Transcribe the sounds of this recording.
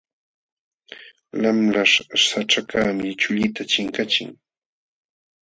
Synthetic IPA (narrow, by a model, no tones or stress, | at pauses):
lamlaʂsaʈ͡ʂakaːmɪt͡ʃʊʎɪt̪at͡ʃɪŋkat͡ʃɪ̰ŋ